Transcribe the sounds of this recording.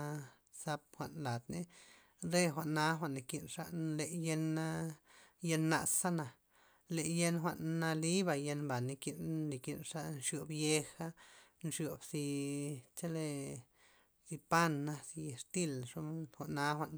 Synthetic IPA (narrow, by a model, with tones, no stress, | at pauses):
sa˧p̚xʷa˨ʔnla˨d̪ne˦ | ɾe˦xʷa˨ʔnːa˧˦xʷa˧ʔnːi˨ki˧nʂa̰˧˦le˨je˧na˦je˧nːa̰˧˨sa˦na˨ | le˨je˦nxʷa˧˨nːa˧li˦ba˧je˧nba˨ni˧ki˧nːi˨ki˧nʂa˦nʂjo˨bje˦xa˦nʂjo˨bsi˧t͡ʃa˦le˧ | si˧pa˦nːa˧si˧e˧ʂt̪i˦˨lʂo˦xʷa˨ʔnːa˦xʷa˧ʔn